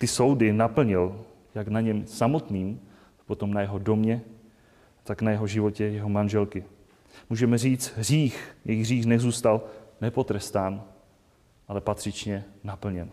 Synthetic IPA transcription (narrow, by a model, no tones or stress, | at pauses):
t̪ɪso̞wdɪnapl̩ɲɪl | jaknaɲɛmsamo̞t̪niːm | pot̪o̞mnajɛɦo̞do̞mɲɛ | t̪aknajɛɦo̞ʒɪvo̞cɛjɛɦo̞manʒɛlkɪ | muːʒɛmɛriːt͡st̪ɦr̝iːxjɛjɣriːxnɛzuːst̪alnɛpo̞t̪ɾɛst̪aːn | ʔalɛpat̪r̝̥ɪt͡ʃɲɛnapl̩ɲɛn